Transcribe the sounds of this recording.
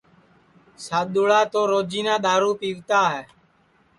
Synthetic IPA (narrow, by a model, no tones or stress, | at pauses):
saːɗ̪oːɭaːt̪oːɾoːd͡ʒiːnãːɗ̪aːɾuːpiːʋt̪aːɦɛː